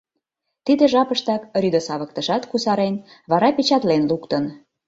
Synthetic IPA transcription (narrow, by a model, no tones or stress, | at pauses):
t̪id̪eʒɑpəʃt̪ɑkɾʲyd̪əsɑβə̆kt̪ə̆ʒɑt̪kusɑɾen | βɑɾɑpet͡ɕɑt̪lenlukt̪ən